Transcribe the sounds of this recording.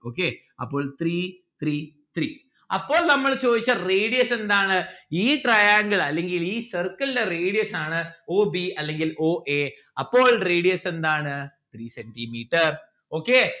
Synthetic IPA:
o̞ːkːe | ɐ̰pːo̞ːɭt̪riː | t̪riː | t̪riː | ɐ̰pːo̞ːɭnɐmːɐɭt͡ɕo̞ːd̪it͡ɕːɐreːɽijɐse̞nd̪aːɳɨiːʈrɐjaːŋɡɐɭɐlːeŋɡiliːsɐrkːɐllɐreːɽijɐsaːɳɨoːbiɐlːe̞ŋɡiloːʔe | ɐpːo̞ːɭreːɽijɐse̞nd̪aːɳɨt̪riːsendimiːʈːɐr | oːkːeː

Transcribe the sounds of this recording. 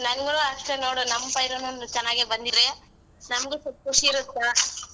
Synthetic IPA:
nɐŋɡuloɐʂʈenoːɽunɐmːɐpɐjɾonɐnːut͡ʃɐnːaːɡibɐnd̪iɾe | nɐmɐɡesup̚kuʂiɾut̪ːa

